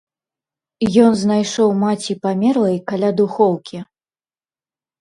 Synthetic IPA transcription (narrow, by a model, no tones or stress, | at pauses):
jɔnznajʂɔwmat͡sʲipamʲɛɾlˠɐjkalʲad̪uxɔwkʲi